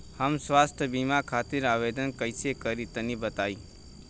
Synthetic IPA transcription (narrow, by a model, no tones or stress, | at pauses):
həmsʋaːsʈ̪ʰəbimakʰaːt̪ɪɾaːʋed̪ənkəjsekəɾit̪ənibət̪aːi